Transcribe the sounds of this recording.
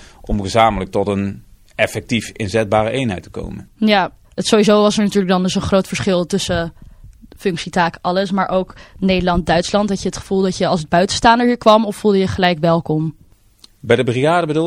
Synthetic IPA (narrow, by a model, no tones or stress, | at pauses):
ʔɔmɣəzaːmələk̚tɔtən | ɛfɛk̚tifɪnzɛd̚baːɾəʔejnɦɛjtə̥ko̰wmə̰nja | ətsowizowʋɑsəɹnatyːɹlək̚dɑndɵsənχrowtfəɹsχɪlˠtɵsə | fɵŋksitaːkʔɑləsmaːɹʔowknejdəlɑnt̚dœɥtslɑntɦɑcjəɦətχə̥v̥uːlˠdɑtjəɑlˠsəd̚bœɥtə̥staːndəɹɦiːɹkʋɑmɔfːulˠdəjəχəlɛjkʋɛlˠkɔm | bɛjdəbriaːdəbədu